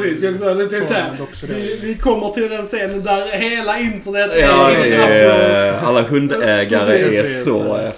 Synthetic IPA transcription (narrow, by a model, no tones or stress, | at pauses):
siːsjksd̪ɛt̪ɛksæ | ɪvɪkʰɔmːəʈ̪ʰɪld̪ɛnseːnənd̪æɾheːlaɪnt̪əɳɛt̪ːɑːɛ | alːaɦɵnd̪ɛːɡaɾəæsɔ